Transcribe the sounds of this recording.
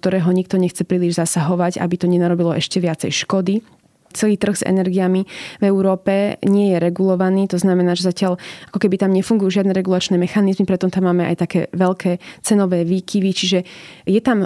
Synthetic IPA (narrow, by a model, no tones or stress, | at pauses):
k̚t̪ɔɾɛːɦɔɲik̚t̪ɔɲɛxt͡sɛpɾiːliʒzasaɦɔʋaɟa̰bit̪ɔɲɛnaɾɔbilɔʔɛʃcɛʋɪat͡sɛjʃkɔd̪i | t͡sɛliːt̪r̩ɣz̥ɛ̰nɛɾɡijamivɛuɾɔːpɛɲɪɛjɛɾɛɡulɔʋaniːt̪ɔznamɛnaːʒɛzacɪaʎakɔkɛbit̪amɲɛfuŋɡujuːʒɪad̪nɛɾɛɡulat͡ʃnɛːmɛxanizmipɾɛt̪ɔmt̪amːaːmɛʔa̰jt̪akɛ̰ːʋɛʎkʰɛːt͡sɛnɔʋɛːʋiːkʰiʋit͡ʃiʒɛjɛt̪am